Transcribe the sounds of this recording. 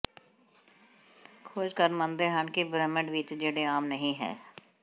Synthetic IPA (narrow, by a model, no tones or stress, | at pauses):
kʰoːd͡ʒkəɾmə̃nd̪eːɦəɳkibɾɛːməɖʋɪt͡ʃd͡ʒeːɽeaːmnəɦĩɦɛ̰ː